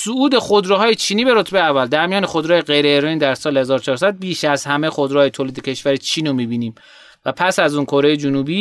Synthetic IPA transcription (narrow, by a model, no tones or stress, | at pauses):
suʔuːd̪e̞xod̪ɾeɦɒːjet͡ʃʰiːniːbe̞ɾot̪ʰbejeævːæld̪æɾmijɒːnexod̪ɾːjeɣe̞jɾeeɾiːnd̪æɾsɒːlehe̞zɒːɾot͡ʃʰɒːɾsæd̪̚biːʃæzhæmexo̞d̪ɾɛhɒːjet̪ʰoːliːd̪ecʲʰe̞ʃvæɾit͡ʃʰiːnomiːbiːniːm | væpʰæsæzuːnkʰoɾe̞jed͡ʒunuːbiː